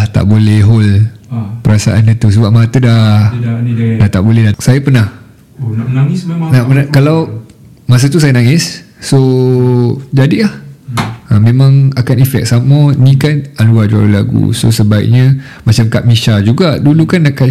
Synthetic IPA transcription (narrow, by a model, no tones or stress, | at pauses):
t̪a̰ʔbolɛhɦol | pəɾasaʔa̰nət̪us̬əbap̚mat̪əda | dat̪aʔbolɛhdasajapənah | naʔpənakalaw | mas̬at̪us̬ajanãŋɪsːo | d͡ʒadilah | əmẽmãŋakanifɛ̰k̚samanĩkanaluad͡ʒua̰ɾola̰ɡṵso̰səbaḭʔ̚ɲã | mat͡ʃamkaʔ̚miʃad͡ʒuɡadulukanːaʔka